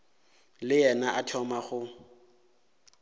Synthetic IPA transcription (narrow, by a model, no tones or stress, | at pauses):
lɪjɛnaʔatʰɔmaχʊ